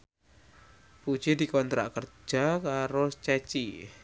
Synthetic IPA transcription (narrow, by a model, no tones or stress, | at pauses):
pu̥d͡ʒ̥ed̪ikɔnt̪ɾa̰ʔkər̥d͡ʒ̥akaɾost͡ʃɛt͡ʃi